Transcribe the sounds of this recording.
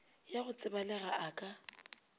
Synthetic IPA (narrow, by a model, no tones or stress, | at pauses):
jaɣʊt͡sʼɪbalɛɣaʔakʼa